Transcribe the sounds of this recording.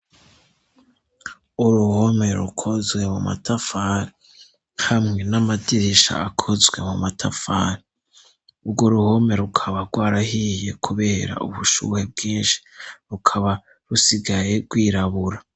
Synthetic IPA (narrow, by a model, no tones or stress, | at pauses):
uɾuhome̞ɾṵkʰo̞zɡwe̞muma̰tʰafaɾi | hamŋe̞namadiɾiʃa̰akʰozɡwe̞̰mumatʰafaɾi | ubɡo̞ɾuho̞me̞ɾukʰaβaɾɡwaːɾahije̞kʰuβe̞ɾa̰uβuʃṵːhe̞b̚ɡiːnʃi̥ɾukʰaβa | ɾusiɡaje̞ɡ̥wiːɾaβuɾa